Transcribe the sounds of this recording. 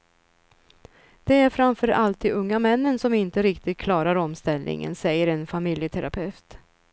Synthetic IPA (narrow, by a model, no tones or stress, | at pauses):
d̪̥ɛæɾfɾamfœɾalt̪ɪɵŋːamɛnːənsɔmɪnt̪əɾɪkt̪ɪd̪̚kʰlɑːɾaɾɔmst̪ɛlnɪ̰ŋə̰nsɛjːəɾɛnfamɪljət̪ʰɛɾapʰɛft̪